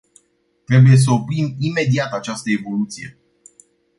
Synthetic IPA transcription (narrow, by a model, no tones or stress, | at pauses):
t̪ɾe̞buje̞s̬əopɾimime̞d̪iat̪at͡ʃast̪əe̞vo̞lut̪sije̞̰